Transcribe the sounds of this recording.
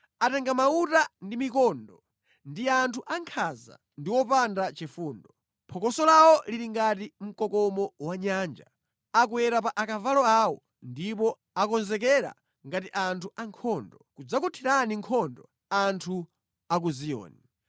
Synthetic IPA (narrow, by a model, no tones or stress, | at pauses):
atɛŋɡamautandimikɔːndɔ | ndiantʰuʔaŋkʰaza̰ | ndiwɔpandat͡ʃifuːndɔ | mpʰɔkɔsɔlawɔliɾiŋɡat̬im̩kɔkɔmɔwaɲaːnd͡ʒa̰ | ak̬uwɛɾapaʔakavalɔawɔ | ndip̬ɔ | akɔnzɛkɛɾa̰ | ŋɡatiʔantʰuʔaŋkʰɔndɔkud͡zakutʰiɾaniŋkʰɔndɔ | antʰu | ak̬uzijɔ̰ːni